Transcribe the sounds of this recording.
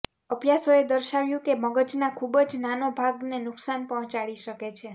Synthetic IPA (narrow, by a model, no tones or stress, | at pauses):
əbjasoed̪əɾʃaʋjũkeməɡət͡ʃnakʰubəd͡ʒnanobʱaɡnenʊksanpɔɦɔ̃t͡ʃaɭiʃəket͡ʃʰe